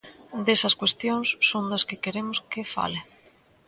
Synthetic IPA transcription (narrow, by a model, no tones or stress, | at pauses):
d̪esɐskwest̪joŋsːond̪ɐskɪkeɾemʊskɪfa̰lɪ